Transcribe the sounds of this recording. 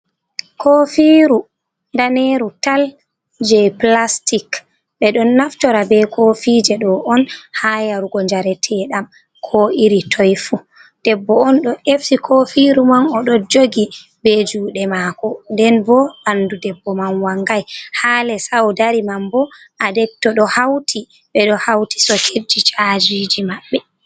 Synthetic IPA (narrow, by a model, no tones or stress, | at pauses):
kʰofiɾu | ndaneɾutal | d͡ʒɛplastik | ɓɛɗɔnːaft͡ʃɔɾabɛkʰofid͡ʒɛɗɔʔɔnhajaɾuɡɔɲd͡ʒaɾɛtʰɛɗam | kʰoʔiɾitʰɔjfu | d̥ɛbːɔɔnɗɔʔefsikʰofiɾumanɔɗɔd͡ʒoɡi | bɛd͡ʒuːɗɛmakɔndɛnbɔandudɛbːɔmanwaŋɡajhaːlɛsawdaɾimambɔʔadɛk̚tɔɗɔhawtʰi | ɓɛɗɔhawti̥sɔkʰed͡ʒit͡ʃad͡ʒid͡ʒimaɓːɛ